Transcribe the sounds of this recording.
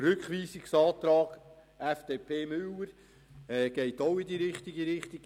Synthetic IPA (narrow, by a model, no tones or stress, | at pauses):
ɾʏkχʋiːsiksɑːt̪ɾɑːɡ̥ | æfd̥eːpʰeːmʏləɾ | ɛɡ̥ɛɪtoʊɪdiːɾɪχt̪iɡiɾɪχt̪iɡ